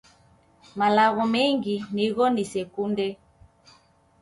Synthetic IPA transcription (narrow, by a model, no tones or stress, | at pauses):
malaɣɔmɛŋɡiniɣɔnisɛkundɛ